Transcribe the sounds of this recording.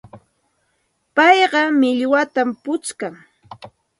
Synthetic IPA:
pɑjɢɑmɪʎwat̪ampʊt͡ʃkaŋ

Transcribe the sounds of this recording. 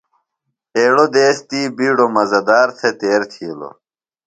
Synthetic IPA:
eːɽod̪eːst̪iːbiːɽomɐzɐd̪aːɾt̪ʰet̪eːɾt̪ʰilo̰

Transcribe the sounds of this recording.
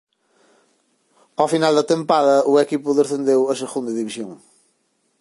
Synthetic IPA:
awfinalˠd̪ɐt̪ẽmpaðɐuekipuðeθẽnd̪ewɐseɣũnd̪ɐðiβiʃjõŋ

